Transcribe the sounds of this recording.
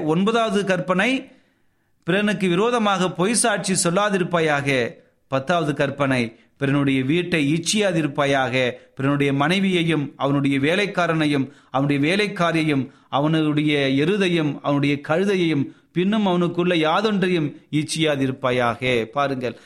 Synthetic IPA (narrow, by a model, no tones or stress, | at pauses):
ɔnbɐðaːʋɐðɯkɐrpɐnɐɪ | pɪɾɐnɯkːɯʋɪɾoːðɐmaːɣɐpɔjsaːʈ̚t͡ʃisɔlːaːðɪɾɯpːaːjaːɣɐ | pɐt̪ːaːʋɐðɯkɐɾpɐnɐɪ | pɪɾɐnɯɽɐjɐʋiːʈːɐɪiːt͡ʃːɪjaːðɪɾɯpːaːjaːɣɐpɪɾɐnɯɽɐjɐmɐnɐɪʋɪjɐjɯmɐʋɐnɯɽɐjɐʋeːlɐɪkːaːɾɐnɐjɯmɐʋɐnɳɯɽɐjɐʋeːlɐɪkːaːɾjɐjɯm | ɐʋɐnɯɽɐjɐɛɾɯðɐjɯmɐʋɐnɯɽɐjɐkɐɻɯðɐjɐjɯm | pɪnːɯmɐʋɐnɯkːɯɭːɐjaːðɔndrɐjɯmiːt͡ʃːɪjaːðɪɾɯpːaːjaːɣɐpaːɾɯŋɡɐɭ